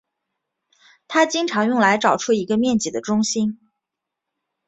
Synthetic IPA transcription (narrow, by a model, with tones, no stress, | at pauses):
t̪ʰa˥t͡ɕi˥ŋʈ͡ʂʰɑ˧˥ŋjʊ˥˩ŋla˧˥ɪʈ͡ʂɑ˨˩ʊʈ͡ʂʰu˥i˧˥ɡə˧mjɛ˥˩nt͡ɕi˨˩d̪ə˦ʈ͡ʂʊ˥ŋɕi˥n